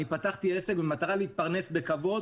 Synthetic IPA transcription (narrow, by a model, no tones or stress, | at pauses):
nipat̪aχt̪iese̞kbemat̪aʁaleit̪̚paʁne̞sbe̞kavo̞d